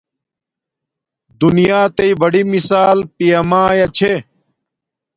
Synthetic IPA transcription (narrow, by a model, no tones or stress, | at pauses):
d̪unijaːt̪ɐibɐɽimisaːlpijɐmãːjɐt͡ɕʰe